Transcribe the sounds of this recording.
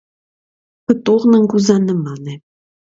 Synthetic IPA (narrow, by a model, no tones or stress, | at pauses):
pə̆t̪oʁnɤ̆ŋkuzɑnə̆mɑnĕ